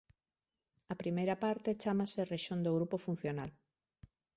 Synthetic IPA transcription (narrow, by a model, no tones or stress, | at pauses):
ɐpɾimejɾapaɾt̪et͡ʃamasereʃond̪oɣɾupofun̟θjonal